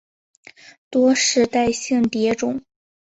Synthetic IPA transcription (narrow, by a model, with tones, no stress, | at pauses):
t̪wɔ˥ʂɻ̩˧˥t̪a˥˧ɪɕi˥˩ŋt̪jɛ˧˥ʈ͡ʂʊ˨˩˦ŋ